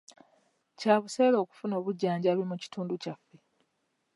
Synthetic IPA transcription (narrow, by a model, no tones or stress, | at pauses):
caːβuse̞ːlo̞ːku̥funo̞ːβuɟːaːɲɟaːβimuci̥tuːnducafːe̞